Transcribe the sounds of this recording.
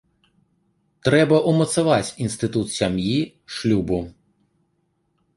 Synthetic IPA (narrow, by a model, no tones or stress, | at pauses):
t̪ɾɛbɐʔumɐt̪savat͡sʲinst̪ɨt̪ut̪sʲamji | ʂlʲubu